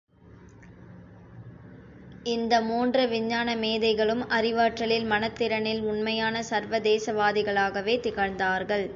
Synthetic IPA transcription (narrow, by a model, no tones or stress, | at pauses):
ɪnd̪ɐmuːndrɐʋɪɲːaːnɐmeːðɐɪɣɐɭɯmʔɐrɪʋaːʈrɐɭɪlmɐnɐt̪ːɪɾɐnɪlʊɳmɐjaːnɐsɐɾʋɐd̪eːsɐʋaːðɪɣɐɭaːɣɐʋeːt̪ɪɣɐɾnd̪aːɾɣɐɭ